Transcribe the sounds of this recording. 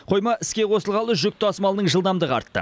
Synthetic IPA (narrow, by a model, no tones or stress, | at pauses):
qʰo̞jmɑʔɪskʲeqʰo̞səlˠʁɑlˠəʒʏk̚t̪ɪɑsmɑlˠənəɴʒəlˠd̪ɑmd̪əʁɑ̰ɾt̪ːə̰